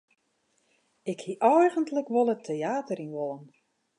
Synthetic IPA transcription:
ɪkhiʔɔjɣəntləkʋolˠətʰeaːtərinʋolˠən

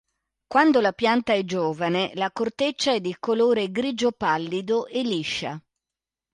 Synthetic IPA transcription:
kwand̪olapjant̪aɛd͡ʒoːvanelakort̪et͡ʃːaɛd̪ːikoloːɾeɡɾid͡ʒopalːid̪oʔelːiʃːa̰

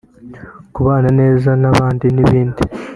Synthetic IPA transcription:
kuβaːnane̞ːzanaβaːndiniβiːndi

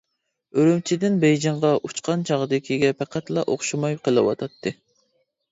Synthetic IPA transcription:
øɾymt͡ʃʰid̪ɪnbɛjd͡ʒɑɴʁɑʔut͡ʃqʰɑnt͡ʃʰɑʁəd̪ɪkʲʰiɡʲɛpʰæqʰæt̪lˠɑʔoχʃumɑjqʰəlˠɨwɑ̰t̪ʰɑt̪ʰːɨ

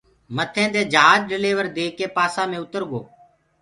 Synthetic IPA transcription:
mət̪ʰẽːd̪eːd͡ʒəɦaːd͡ʒɖɪleːʋəɾd̪eːkeːpaːsãːmẽːʊt̪əɾɡo̰ː

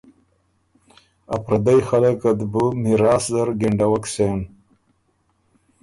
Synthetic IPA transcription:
ɐ̰pɾɐd̪ajxɐlɐkɐd̪bumiɾaːszɐɾɡeɳɖɐwɐksen

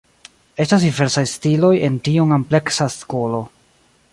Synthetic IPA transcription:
e̞stas̬dive̞ɾsajstilo̞je̞ntiuŋample̞ksasko̞lo̞

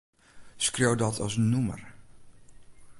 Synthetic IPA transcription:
skrowdɔtʰɑ̰snumə̰r

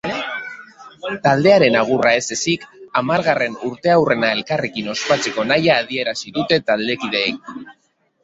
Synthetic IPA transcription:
t̪ald̪e̞aɾe̞naɣ̞urae̞se̞sikamaɾɣare̞nuɾt̪e̞awre̞nae̞lkarekino̞spat͡se̞ko̞najaːð̞ie̞ɾasiðut̪e̞t̪ald̪ekið̞e̞ːk̚

